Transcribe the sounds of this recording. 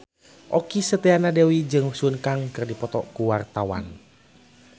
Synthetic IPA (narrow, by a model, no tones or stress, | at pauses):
ʔɔkisət̪ɛanadewid͡ʒɨŋsunkaŋkɨrdipɔt̪ɔkuwart̪awa̰n